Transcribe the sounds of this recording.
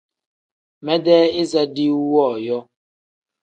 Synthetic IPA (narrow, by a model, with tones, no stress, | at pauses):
mɛ˦dɛː˦e˦za˦di˦wɔː˦˨jɔ˦